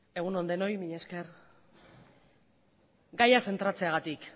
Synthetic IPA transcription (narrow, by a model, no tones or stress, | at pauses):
e̞ɣ̞uno̞nd̪e̞no̞jmiɲe̞ske̞ɾ | ɡajase̞nt̪ɾat͡se̞aɣat̪ik